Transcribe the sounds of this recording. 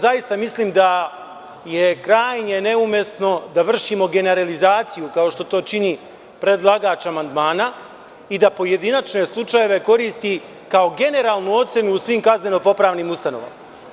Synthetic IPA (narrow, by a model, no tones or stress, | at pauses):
zajist̪amisliːmd̪a | je̞kɾaːjɲe̞ne̞umje̞sno̞d̪aʋr̩ʃimo̞ɡe̞ne̞ɾalizaːt̪sijukao̞ʃt̪o̞t̪o̞ːt͡ʃini | pɾe̞d̪lˠaɡaːt͡ʃamand̪maːna | id̪apo̞je̞d̪inat͡ʃne̞slˠut͡ʃaje̞ʋe̞ko̞ɾiːst̪i | kao̞ɡe̞ne̞ɾaːlˠnuo̞t̪se̞nuːsʋiːmkazne̞no̞po̞pɾaːʋnimust̪anoʋa̰ma